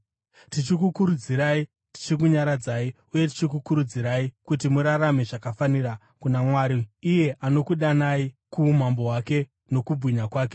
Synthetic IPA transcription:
tit͡ʃikukuɾud͡ziɾai | ti̥t͡ʃik̬uɲaɾad͡zai | uje̞t̬i̥t͡ʃik̬ukuɾud͡ziɾaikut̬imuɾarameʐakafanira | kunamwaːɾiːje̞ʔano̞kuɗanaikumambo̞ɦwake̞ | no̞kubʱwiɲakwaːk̬e̞̥

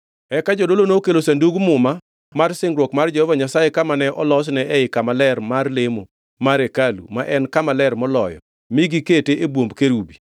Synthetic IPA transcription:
ɛkad͡ʒodolonokelosanduɡmʊma | marsɪŋɡɾwɔkmard͡ʒɛhɔvaɲasajekamanɛʔɔlɔsnɛʔɛɪkamalɛrmarlemo | maɾekalṵmaʔɛnkamalɛrmɔlɔjɔ̰ | miɡiketeʔebwombkeɾubi

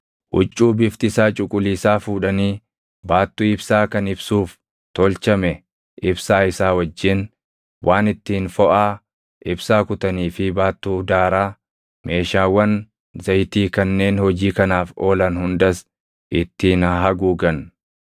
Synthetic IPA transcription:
ʔʊt͡ʃʼːuːbɪft̪ɪsaːt͡ʃʼʊkʼʊliːsaːfuːᶑɐniː | baːt̪ːuːɪbsaːkɐnɪbsuːf | t̪ɔlt͡ʃɐmɛ | ʔɪbsaːɪsaːwɐd͡ʒːɪn | wʔaːnɪt̪ːiːnfɔʔaː | ʔɪbsaːkʊt̪ɐniːfɪbaːt̪ːuːd̪aːɾaː | mʔe̞ːʃaːwːɐn | zɐjt̪iːkɐnːe̞ːnhɔd͡ʒiːkɐnaːfo̞ːlɐnhʊnd̪ɐs | ʔɪt̪ːiːnɐɦɐɡuːɡɐn

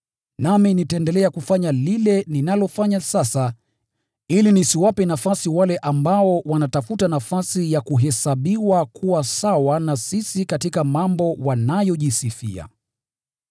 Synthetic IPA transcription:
naminitaɛndɛlɛakufaɲalilɛninalɔfaɲasasa | ilinisiwapɛnafasiwalɛʔambaɔwanatafutanafasijakuɦɛsaɓiwakʰuwasawanasisikatikamambɔwanajɔʄisifḭa̰

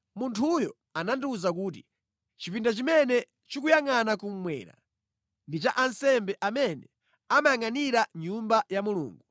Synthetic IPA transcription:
muntʰujɔ | anandiːzakuːt̬i | t͡ʃipindat͡ʃimɛnɛ | t͡ʃikujaŋanakum̩mwɛ̰ːɾa̰ | ndit͡ʃaʔansɛmbɛʔamɛnɛ | amajaŋaniɾaɲumbajamulṵːŋɡu

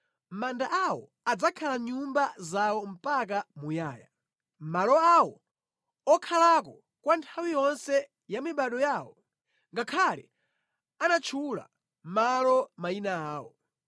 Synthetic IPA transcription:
mandaʔawɔ̰ | ad͡zakʰalaɲumbazawɔm̩pak̬amujaːja̰ | malɔawɔ | ɔkʰalakɔ | kwantʰawijɔnsɛ | jamiɓaɗɔjaːwɔ | ŋɡakʰalɛ̰ | anat͡ʃʰula̰ | malɔmainaaːwɔ

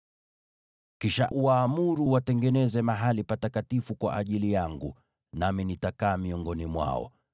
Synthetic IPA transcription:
kiʃa̰ʔuaːmuɾuwatɛŋɡɛnɛzɛmaɦalipatakatifukwa̰ʔaʄilijaŋɡṵ | naminitakaːmiɔŋɡɔnimwa̰ɔ̰

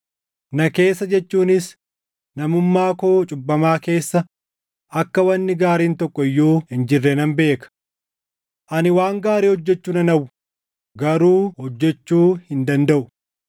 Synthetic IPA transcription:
nɐke̞ːsːɐd͡ʒɛt͡ʃːuːnɪs | nɐmʊmːaːkoːt͡ʃʼʊbːɐmaːke̞ːsːɐ | ʔɐkːɐwɐnːɪɡaːɾiːnt̪ɔkːɔɪjːoːhɪnd͡ʒɪrːɛnɐmbe̞ːkɐ̥ | ʔɐnɪwaːŋɡaːɾiːhɔd͡ʒːɛt͡ʃːuːnɐnɐwʊ | ɡɐɾuːhɔd͡ʒːɛt͡ʃːuːhɪnd̪ɐnd̪ɐʔʊ

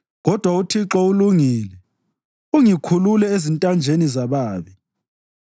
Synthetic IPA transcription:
ɣɔd̥ʱwautʰiǁɔuluŋiːlɛ | uŋikʰululɛezintʼand͡ʒʱenizaβaːβi

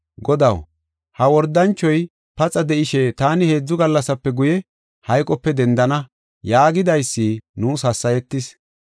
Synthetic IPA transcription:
ɡɔd̪ɐw | hɐwɔɾd̪ɐnt͡ʃːɔj | pɐt͡sʼɐd̪ɛʔɪʃɛt̪aːnɪhe̞ːd͡zːʊɡɐlːɐsɐpːɛɡʊjɛ | hɐjkʼɔpːɛd̪ɛnd̪ɐnɐ | jaːɡɪd̪ɐjsːiːnuːshɐsːɐjɛt̪ːɪs

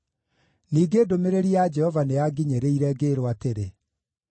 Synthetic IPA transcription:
niːɡeːdomeɾeɾiad͡ʒɛhɔvaneaɡiɲeɾeiɾɛɡeɾoateɾe

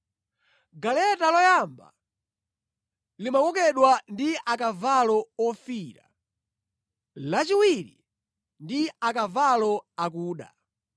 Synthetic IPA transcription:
ɡalɛtalɔjamba̰ | limakɔkɛɗwandiʔakavalɔɔfiɾa̰ | lat͡ʃiwiɾḭ | ndiakavalɔak̬uːɗa̰

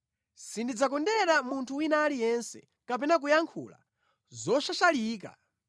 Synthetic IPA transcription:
sindid͡zakɔndɛɛɾamuntʰuwinaːlijɛnsɛ̰ | kapɛnak̬ujaŋkʰṵːla̰ | zɔʃaʃaliːka̰

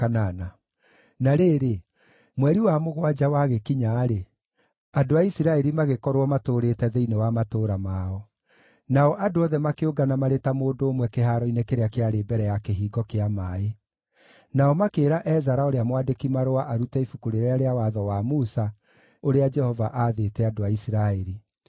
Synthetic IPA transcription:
kanana | naɾeːɾe | mwɛɾiwamoɣwad͡ʒawaɣekiɲaːɾe | adoaisiɾaɛɾimaɣekɔɾwɔmatoːɾetɛðeinewamatoːɾamaːɔ | naɔʔadoɔðɛmakeoɡanamaɾetamoːdoːmwɛkeɦaɾɔinekeɾeakeaɾebɛɾɛjakeɦiːɡɔkeamae | naɔmakeːɾaʔɛzaɾaoɾeamwadekimaɾoaʔaɾutɛifukuɾeɾɛaɾeawaðɔwamusa | oɾead͡ʒɛhɔvaʔaðetɛadoaisiɾaɛɾi

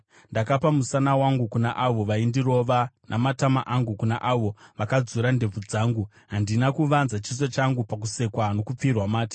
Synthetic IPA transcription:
ndakapamusanawaŋɡukunaʔaʋo̞ʋaindiɾo̞ʋanʔamatamaʔaŋɡukunaʔaʋo̞ʋakad͡zuɾande̞b͡vud͡zaːŋɡu | ɦandinakuʋanzat͡ʃis̬ot͡ʃaŋɡupakuse̞kwano̞kup͡firwamaːtḁ

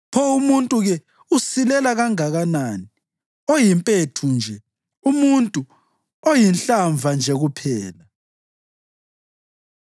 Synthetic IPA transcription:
pʰɔumuntʼuɣɛ | usilɛlaɣaŋaɣanaːni | ojimpʼetʰund͡ʒʱɛ | umuntʼu | ojinɬaɱvʱand͡ʒʱɛɣupʰɛːla

